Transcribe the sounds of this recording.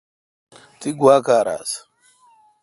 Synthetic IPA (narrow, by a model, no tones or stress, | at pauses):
tiɡwakaɾa̰s